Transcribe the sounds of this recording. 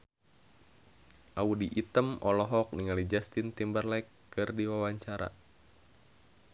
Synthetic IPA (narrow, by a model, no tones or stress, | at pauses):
ʔaudiʔit̪əmɔlɔɦɔk̚niŋalid͡ʒast̪int̪imbərlɛkː | ɨrdiwawaɲt͡ʃaɾa̰